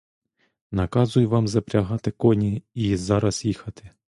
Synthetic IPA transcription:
nɐkɑzʊjʊʋɑmzɐpɾʲɐɦɑt̪ɪkɔnʲiizɑɾɐsjixɐt̪ɪ̥

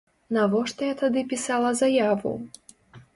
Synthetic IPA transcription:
navɔʂt̪ɔjat̪ad̪ɨpʲisalˠɐzajavṵ

